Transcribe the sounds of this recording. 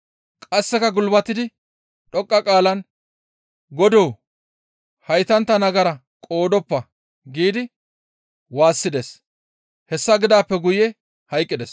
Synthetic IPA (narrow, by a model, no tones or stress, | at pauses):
kʼɐsːɛkɐɡʊlbɐt̪ːɪd̪ɪ | ᶑɔkʼːɐkʼaːlɐn | ɡɔd̪oː | hɐjt̪ɐnt̪ːɐnɐɡɐɾɐ | kʼo̞ːd̪ɔpːɐ | ɡiːd̪ɪ | waːsːɪd̪es | hɛsːɐɡɪd̪aːpːɛɡʊjɛ | hɐjkʼːɪd̪ɛs